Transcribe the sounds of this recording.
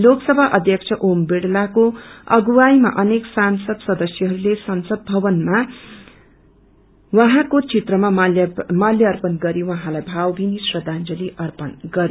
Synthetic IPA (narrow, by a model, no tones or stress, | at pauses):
loksʌbʱaʔʌd̪ʱjʌkt͡sʰʌʔombeɽlakoʌɡuwajma̰ʔʌneksansʌd̪sʌd̪ʌsjʌɦʌɾulesʌnsʌd̪̚bʱʌbʌnma | wʌɦãkot͡sʰit̪rʌmamaljʌʌrpʌnɡʌɾiwʌɦãlajbʱawbʱinisrʌd̪and͡zʌliʔʌrpʌnɡʌɾi